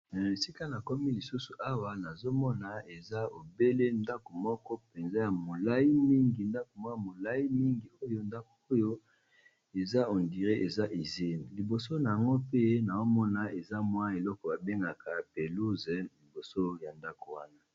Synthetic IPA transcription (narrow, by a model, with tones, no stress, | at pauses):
e˨si˦ka˦na˨kɔ˦mi˦li˨su˦su˨ʔa˦wa˦na˨zo˦mɔ˦na˨e˨za˦o˨be˦le˦nda˦ko˨mɔ˦kɔ˦pe˨nza˦ja˨mo˨la˦i˦mi˦ŋɡi˨nda˦ko˨mwa˦˨mo˨la˦i˦mi˦ŋɡi˨o˦jo˦nda˦ko̥˨o˦jo˦ | e˨za˦o˨ndi˨ʁe˦ʔe˨za˦ʔi˨ze˦˨n˨li˨bo˨so˦na˨a˨ŋɡo˦pe˦na˨o˦mɔ˦na˨e˨za˦mwa˦e˨lɔ˦kɔ˨ba˨be˦ŋɡa˨ka˨pe˨lu˦zɛ˨li˨bo˨so˦ja˨nda˦ko˨wa˦na˦